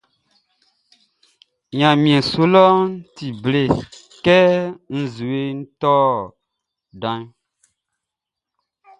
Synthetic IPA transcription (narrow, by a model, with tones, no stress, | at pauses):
ɲã˨mĩ˨ɛ̃˨so˦lɔ˦n̩˦ti˨ble˨ | kɛ˦n̩˨zu˨e˦n̩˦tɔ˦ | dã˦ɲ